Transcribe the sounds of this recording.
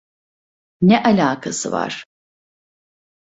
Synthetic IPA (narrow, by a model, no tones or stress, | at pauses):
nɛʔɐlʲaːkʰɐsɨva̰r̥